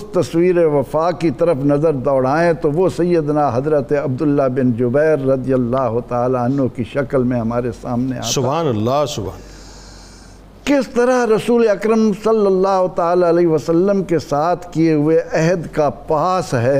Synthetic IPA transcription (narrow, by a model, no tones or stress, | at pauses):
ʊst̪ɐswiːɾeʋɐfaːkit̪ɐɾəfnɐzəɾd̪ɔːɽaːẽt̪oʋosɐjːəd̪naɦɐzɾət̪eɐb̚d̪ʊlːabɪnd͡ʒʊbɛːɾːɐd̪ijəlːaːɦʊt̪aːlaɐnɦokiʃɐkəlmẽɦɐmaːɾesa̰ːmnḛa̰ːsʊbaaːnɐlːasʊbʱaːn | kɪst̪ɐɾaɾɐsuːleɐkɾəmsɐlːəlːaːɦʊt̪aːlaɐleʋəsɐlːəmkesaːt̪ʰkieɦʊeʔɛɦd̪kapaːsɦɛː